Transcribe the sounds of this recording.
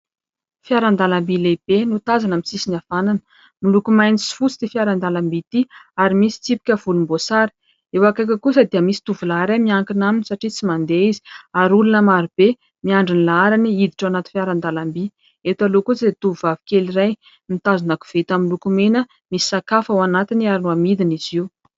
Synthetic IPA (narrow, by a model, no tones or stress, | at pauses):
fiaɾand̪alambileb̥enut̪azanamisisinav̥ananə̥ | milukumajnisi̥fut͡sid̪̥efiaɾand̪alambit̪iaɾimisi̥t͡sipi̥kʲəv̥ulumbosaɾi̥ | ewakak̬ʲakusəd̪iəmisi̥t̪uvulaaɾamiaŋkinaminisaʈ͡ʂit͡simand̪eizi̥aɾulunəmaɾib̥e | miaɳɖ͡ʐinilaaɾaniid̪iʈ͡ʂawanat̪infjaɾand̪alambi | et̪alokuzet̪uvuvavikʲeliraj | mit̪azanaku̥v̥et̪amilukumenə | misi̥sakafawanat̪iniaɾinuamid̪iniziw